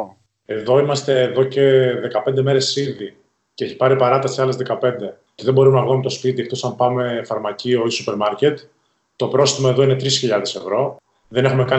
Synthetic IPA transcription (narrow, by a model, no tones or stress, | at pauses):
e̞ðo̞imɐst̪e̞ːðo̞ce̞ðe̞kɐpnd̪e̞me̞ɾe̞silði | ceeçi̥pɐɾipɐɾɐt̪ɐsiɐle̞zðe̞kɐpe̞nd̪e̞ | t̪eðebo̞ɾumenɐɣumt̪o̞spit̪iekt̪o̞sɐmpɐme̞fɐɾmɐcio̞isupe̞ɾmɐɾce̞t̪ | t̪opɾo̞st̪imɐeðo̞ine̞t̪ɾisçiʎɐðe̞se̞vɾo̞ | ðene̞xumekɐ